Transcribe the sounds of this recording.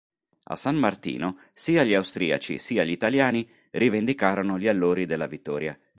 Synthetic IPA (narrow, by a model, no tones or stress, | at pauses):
a̰sammart̪ḭːno | siːaʎiawst̪ɾḭːa̰t͡ʃḭsiːaʎit̪aljaːni | rivend̪ikaːɾonoʎialːoːɾid̪elːavit̪ːɔːɾja